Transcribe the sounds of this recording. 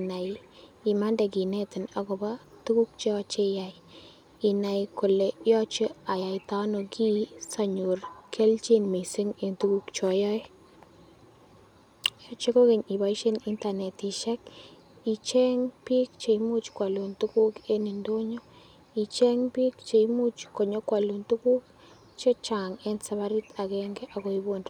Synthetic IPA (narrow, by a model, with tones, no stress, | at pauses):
i˨na˨j | i˨ma˦ndɛ˨k̬i˨nɛ˦tɪ˨na˨kɔ˨ba˦tu˦ku˦k̚t͡ʃɔ˦t͡ʃe˦ja˨j | i˨na˨jkʊ˨le˨jɔ˦t͡ʃə˦a˨ja˨jta˦no˨ki˦sa˨ɲo˨rkʰe˦lt͡ʃe˦nmi˨sɪ˦ŋe˨tu˦ku˦kt͡ʃɔ˨jɔ˦j | jɔ˦t͡ʃe˦ko˦ke˨ɲi˨ba˦i˦ʃe˦ni˦nta˨nɛ˨ti˨ʃɛ˦k̚ | i˨t͡ʃɛ˦ŋpi˦kt͡ʃe˨i˦mu˦t͡ʃkwa˨lo˨ntu˦ku˦ke˦ni˨ndo˦ɲo˦ | i˨t͡ʃɛ˦ŋpɪ˦k̚t͡ʃe˨i˦mu˦t͡ʃko˨ɲo˦kwa˨lu˨nt̪u˦ku˦k | t͡ʃe˦t͡ʃa˨ŋɛ˦nsa˨βa˦ɾi˦t̪a˨ɡɛ˦ŋɡe˦ʔa˨ko˨i˦bo˦n